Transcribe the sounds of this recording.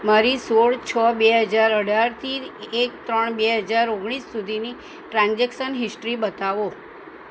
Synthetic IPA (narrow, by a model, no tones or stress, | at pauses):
maɾisoɭt͡ʃʰəbeɦəd͡ʒaɾəɽʱaɾt̪ʰiek̚t̪ɾəɳbeɦəd͡ʒaɾoɡɽ̃isːud̪ʱini | ʈɾãnd͡ʒekʃənɦɪsʈɾibət̪aʋo